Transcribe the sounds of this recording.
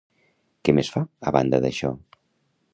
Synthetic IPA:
kɛmesfaəβa̰nd̪əðəʃɔ̰

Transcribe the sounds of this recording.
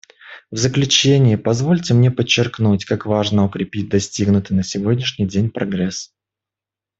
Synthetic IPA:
vzəklʲʉt͡ɕenʲɪjɪpɐzvo̞lʲtʲɪmnʲe̞pət͡ɕːɪrknutʲkakvaʐnəʊkɾʲɪpʲit̚ʲd̪ɐsʲtʲiɡnʊt̪ɨnəsʲɪvodʲnʲɪʂnʲɪjdʲenʲpɾɐɡɾɛs

